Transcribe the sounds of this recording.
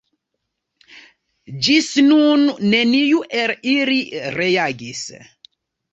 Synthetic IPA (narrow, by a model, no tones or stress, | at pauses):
d͡ʒisnunːenijuʔeliliɾejaɡis